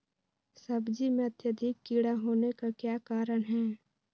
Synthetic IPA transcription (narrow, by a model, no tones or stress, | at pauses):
sɐbd͡ʒimẽɐt̪jəd̪ʱɪkːiːɽaɦoːnekakjaːkaːɾəɽ̃ɦɛː